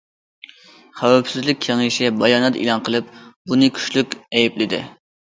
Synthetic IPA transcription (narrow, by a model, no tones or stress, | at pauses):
χæwɛpsɪzlɪk̚ʲʰeŋɪʃɪbɑjɑːnɛt̪ḭlˠɑnqʰəlˠɨp̚bunɨkʲʰy̥ʃlykʲɛjɛplɪd̪ɪ̰